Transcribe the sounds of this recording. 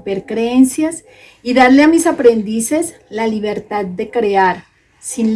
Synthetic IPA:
peɾkɾeensjas | iðaɾleamisapɾe̞nd̪ise̞s | laliβ̞e̞ɾt̪ad̪̚d̪e̞kɾeaɾ | sin

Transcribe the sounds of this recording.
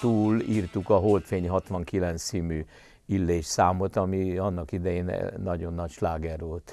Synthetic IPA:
t̪uːliːrt̪ukɒɦo̞lt̪feːɲɦɒt̪ʋɒŋkilɛnt̪ssiːmyː | ilːeːʃsaːmo̞t̪ɒmiɒnːɒkid̪ɛjeːn̰nɒɟo̞nːɒcʃlaːɡɛrʋolt̪

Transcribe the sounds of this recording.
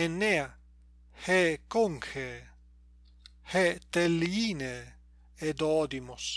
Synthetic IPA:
enea | hekoŋke | het̪eliine | ed̪od̪imos

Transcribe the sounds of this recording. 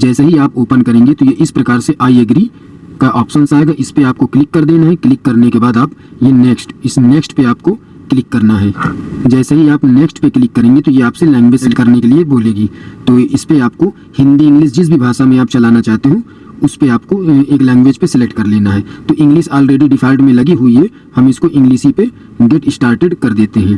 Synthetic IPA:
d͡ʒɛːsaɦiaːpoːpənkɐɾẽːŋɡet̪ojeʔɪspɾɐkaːɾseʔaːiɐɡɾi | kaʔaːpʃənsaːeːɡaʔɪspeaːp̚koklɪkːɐɾd̪eːnaɦɛklɪkːɐɾnekebaːd̪aːpjeneːksʈɪsneːksʈpeaːpko | klɪkːɐɾnaɦɛːd͡ʒɛːsaɦiaːpneːksʈpeklɪkːɐɾẽːŋɡet̪ojeaːpselɛ̃ːŋɡʋeːkɐɾnekelieboːleːɡiːt̪oːɪspeaːp̚ko | hɪ̃nd̪iɪ̃ŋɡliːs̬d͡ʒɪs̬bʱibʱaːʃamẽaːp̚t͡ʃɐlaːnat͡ʃaːɦt̪eɦũ | ʊspeaːpkoeːklɛ̃ːŋɡʋeːd͡ʒpesɛlek̚ʈkɐɾleːnaɦɛːt̪oːʔɪ̃ŋɡliʃaːlɾeːɖiɖɪfʰaːɪlɖmẽlɐɡiɦʊiɦɛ | hɐmɪskoʔɪ̃ŋɡliːʃipe | ɡeʈɪsʈaːɾʈeɖkɐɾd̪eːt̪eɦɛ̃ː

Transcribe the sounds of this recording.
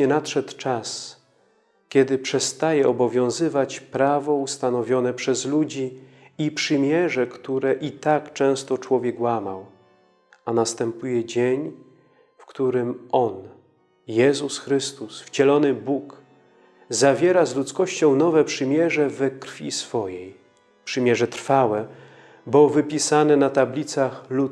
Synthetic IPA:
ɲɛnat̪ʂɛt̪t͡ʂas | kʲɛd̪ɘpʂɛst̪ajɛɔbɔvʲjɔ̃w̃zɘvat͡ɕpɾavɔust̪anɔvʲjɔnɛpʂɛzlud͡ʑi | ipʂɘmʲjɛʐɛkt̪uɾɛʔit̪akt͡ʂɛ̃w̃st̪ɔt͡ʂwɔvʲjɛkwamaw | anast̪ɛmpujɛd͡ʑeɲ | fkt̪uɾɘmɔn | jɛzusxɾɘst̪usft͡ɕɛlɔnɘbuk | zavʲjɛɾazlut̪skɔɕt͡ɕɔ̃w̃nɔvɛpʂɘmʲjɛʐɛvɛkɾfʲisfɔjej | pʂɘmʲjɛʐɛt̪ɾfawɛ | bɔvɘpʲisanɛnat̪ablʲit̪saxlu

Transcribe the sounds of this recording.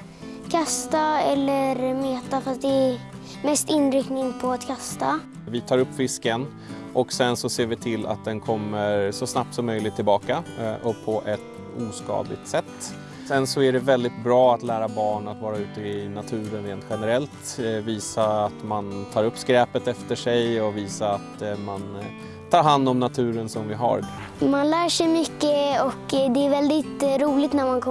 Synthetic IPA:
kʰast̪aɛlːəɾmeːt̪afɾast̪d̪ɛæ | mɛst̪ɪnɾɪkt̪nɪŋpʰɔat̪kʰast̪a | vɪt̪ʰɑːɾɵpːfɪskən | ʔɔksɛnsɔseːɾvɪt̪ʰɪlːa̰t̪̚d̪ɛnkʰɔmːəɾʂɔsnap̚t̪sɔmːœjlɪɡ̚t̪ʰːɪlbɑːkaʔɔpʰːɔʔɛt̪ | uːskɑ̰ːd̪lɪɡ̚t̪sɛt̪ː | sɛnsɔæɖɛvɛld̪ɪt̪bɾɑːat̪læːɾabɑːɳat̪vɑːɾaʉ̟ːt̪əɪnat̪ʰʉ̟ːɾənɾeːnt̪ɧɛnəɾɛlt̪viːsaat̪mant̪ʰɑːɾɵpːskɾɛːpət̪ɛft̪əʂɛjɔviːsaat̪man | t̪ʰɑːɾɦand̪ɔmnat̪ʰʉ̟ːɾənsɔmvɪɦa̰ɾ | manlæːʂɛjmʏkːəɔkd̪ɛːɾvɛld̪ɪt̪ɾuːlɪɡ̚t̪næɾmankʰɔ

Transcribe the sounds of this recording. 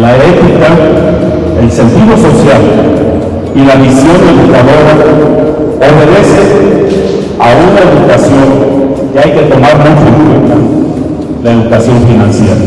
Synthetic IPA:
laet̪ika | else̞nt̪iðo̞so̞sjal | ilaβisjo̞neðukaðo̞ɾa | o̞βe̞ðe̞se | aunae̞ðukasjo̞ŋ | keajke̞t̪o̞maɾmut͡ʃoeŋkwent̪a | laeðukasjo̞ɱfinãnsje̞ɾa̰

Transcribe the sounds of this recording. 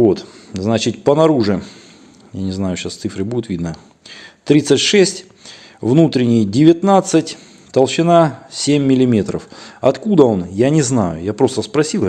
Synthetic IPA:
vo̞t̪znat͡ɕɪt̚ʲpənɐɾuʐɨ | janʲɪznajʊɕast̪sɨfɾɨbudʲɪt̪vʲid̪nə | t̪ɾʲit̪sɨtʲʂɛsʲtʲ | vnut̪ɾʲɪnʲɪjdʲɪvʲɪt̪nat̪sɨtʲ | t̪əlˠɕɪnasʲemʲːɪlʲɪmʲe̞t̪ɾəfɐt̪kud̪əo̞njanʲɪznajʊjapɾo̞st̪əspɾɐsʲilˠ

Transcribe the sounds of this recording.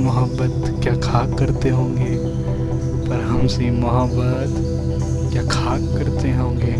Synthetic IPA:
mʊɦəbːət̪ | kjaːkʰaːkːɐɾt̪eɦõːŋɡeː | pɐɾɦɐmsemɐɦəbːət̪ | kjaːkʰaːkːɐɾt̪eɦõːŋɡeː

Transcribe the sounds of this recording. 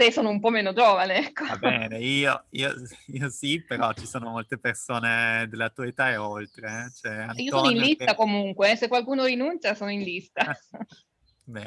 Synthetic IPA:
t̪esoːnoumpɔmeːnod͡ʒoːvaneɛkːoabɛːneiːoḭːoiːosipeɾɔt͡ʃisoːnomolt̪epersoːned̪elːat̪uaet̪aeolt̪ɾet͡ʃɛaniosonoinllist̪akomuŋkweɛsekːwalkuːnoɾinunt͡ʃasoːnoinlist̪a | bɛ

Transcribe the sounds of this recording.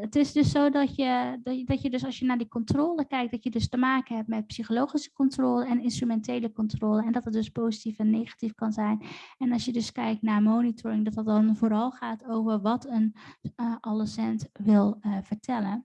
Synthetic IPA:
ətɪsdɵsowdɑtjəddɑjədɵsɑlˠsjənaːɹdikɔntroːləkɛjk̚d̥ɑtjədɵstəmaːkənɦɛp̚mɛt̚psiχolowχisə̥kɔntroːləɛnɪnstrymɛntejləkɔntroːləɛndɑtət̚dɵspowzitifɛnːejχḁtifkɑnzɛjnɛnɑlsjədɵskɛjk̚tnaːɹmownitʊɹɪŋdɑtət̚dɑnvoːɾɑlˠχaːtowvəɹʋɑtən | ʔɑləsɛntʋɪlˠvəɹtʰɛlən

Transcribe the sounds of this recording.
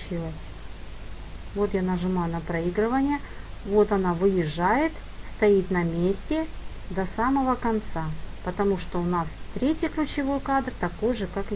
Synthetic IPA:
t͡ɕilˠəsʲ | vo̞t̪janəʐɨmajʊnɐpɾɐiɡɾɨvənʲɪjə | vo̞t̪ɐnavɨjɪʐːajɪt̪ | st̪ɐit̪nɐmʲesʲtʲɪ | d̪ɐsaməvəkɐnt̪sapət̪ɐmuʂt̪oʊnast̪ɾʲetʲɪklʲʉt͡ɕɪvo̞jkad̪rt̪ɐko̞jʐɨkak

